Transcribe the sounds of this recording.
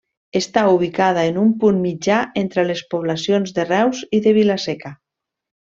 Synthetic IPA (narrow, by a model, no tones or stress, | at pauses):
est̪auβ̞ikað̞aenumpunmid͡ʒaʔent̪ɾelespuβ̞lasionzðerɛwziðeβilasɛka